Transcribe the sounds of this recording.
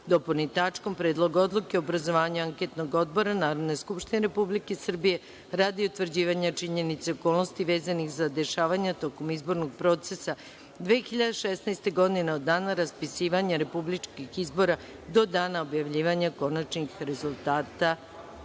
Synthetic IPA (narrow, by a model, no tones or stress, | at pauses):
d̪oponit̪at͡ʂko̞mpɾed̪lˠo̞ɡo̞d̪lˠukeoobɾazo̞ʋaːɲuaŋket̪noɡo̞d̪̚bo̞ɾanaːɾod̪neskupʃt̪ineɾe̞publikesr̩bije̞ | ɾaːd̪iut̪ʋr̩d͡ʑiːʋaɲat͡ʂiɲe̞nit̪seoko̞ːlˠno̞st̪iʋe̞ːzanixzad̪e̞ʃaːʋaɲat̪o̞ko̞mizbo̞ɾnoɡ̚pɾo̞t̪sesa | d̪ʋeːxiʎad̪eʃesnajst̪e̞ɡo̞d̪ineod̪ːaːnaɾaspisiːʋaɲaɾe̞publit͡ʃkixizbo̞ɾa | d̪o̞d̪aːnaobjaʋʎiːʋaɲako̞nat͡ʃnixɾe̞zulˠt̪aːt̪a